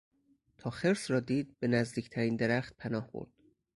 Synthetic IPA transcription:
t̪ʰɒːxe̞ɾsɾɒːd̪iːd̪̚be̞næzd̪iːcʰt̪ʰæɾiːnd̪eɾæxt̪̚pʰænɒːhb̥o̰ɾd̪̥

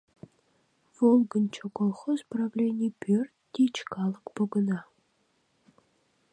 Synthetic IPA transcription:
volˠɡə̆nʲt͡ɕʰokolˠχozpravlʲenʲɪjpʲørʲt̪d̪ʲet͡ʃkɑlˠəkpoɡə̆nɑ

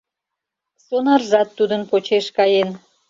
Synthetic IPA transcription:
sonɑrzɑt̪ːud̪ənpot͡ɕeʃkɑjen

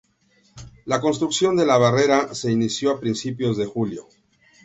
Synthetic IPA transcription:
lakons̬t̪ɾuksjo̞nd̪e̞laβ̞are̞ɾase̞inisjoapɾinsipjo̞zðe̞xuljo̞̰

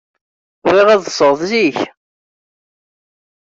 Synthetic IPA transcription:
ɾiʁæðsˤəʁðziç

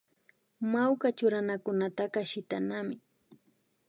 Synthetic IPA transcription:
mawkat͡ʃʊɾanakʊnat̪akaʃɪt̪anamɪ

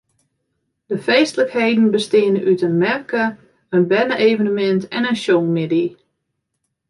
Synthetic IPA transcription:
d̥əfejstələkheːdn̩bəstɪənəʔytənmɛrkə | ənbɛnəʔeːvənəmɛntɛnənʃoŋmɪdi

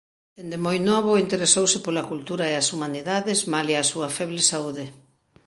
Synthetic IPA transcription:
d̪end̪emojnɔβoint̪eɾesowsɪpolakult̪uɾaeasumaniðaðezmaleasuɐfɛβlesauðɪ

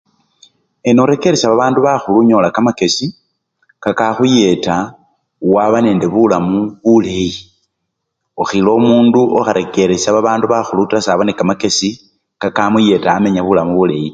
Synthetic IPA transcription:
enoɾe̞keɾesaβaβaːnduβaxuluɲo̞lakamake̞si | kakaxuje̞ta | waβane̞ːnde̞βulamuβule̞ji | oxilo̞muːnduʔoxaɾʔe̞keɾesaβaβaːnduβaxulutasaβonekamake̞si | kakamuje̞taːme̞ɲaβulamuβule̞ji

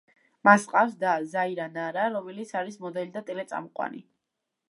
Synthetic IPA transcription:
masqʼafsd̪azaiɾanaɾaɾɔmɛlit̪sʰaɾismɔd̪ɛlid̪at̪ʼɛlɛt̪sʼa̰mɔqʼwa̰nḭ

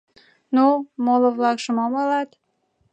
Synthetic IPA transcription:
numoloβlɑkʃəmomɑlɑt̪

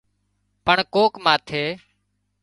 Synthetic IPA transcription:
pəɳkoːkmãːt̪ʰeː

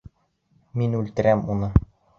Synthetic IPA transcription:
minʉlt̪ɘ̆ɾæmunɤ

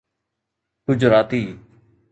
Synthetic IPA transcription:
kʊd͡ʒɾaːt̪iː

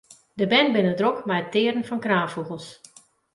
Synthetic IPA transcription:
dəbɛnbɪnədrokmɛjətːɪːəɾən̩fɔnkraːfuɣəlˠs

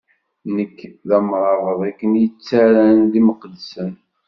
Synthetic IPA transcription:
nəkːðæmɾˤɑɾəðˤækːənjət͡sːaɾænðiməqd̪sən

